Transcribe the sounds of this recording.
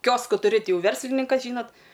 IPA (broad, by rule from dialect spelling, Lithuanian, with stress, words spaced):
ˈkʲoːskʊ tʊˈrʲɪ ˈtʲɪ ˈjɛʊ ˈʋʲɛrʲsʲlʲɪnʲɪŋkɐs ˈʒʲiːnoːt